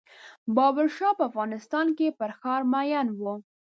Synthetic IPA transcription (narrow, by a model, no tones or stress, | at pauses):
bɑbaɾʃɑpəafɣɑnɪst̪ɑnkepəɾxɑɾmajɑnwu